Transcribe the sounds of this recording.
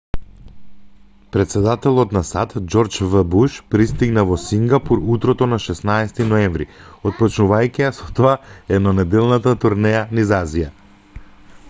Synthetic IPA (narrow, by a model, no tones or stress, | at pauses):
pɾɛt̪sɛd̪at̪ɛlˠɔt̪nasat̪d͡ʒɔɾt͡ʃvəbuʃpɾist̪iɡnavɔsiŋɡapuɾut̪ɾɔt̪ɔnaʃɛsnaɛsɛt̪inɔɛɱvɾḭɔt̪̚pɔt͡ʃnuvajkiasɔt̪oaɛnɔnɛd̪ɛlˠnat̪at̪uɾnɛjanizazija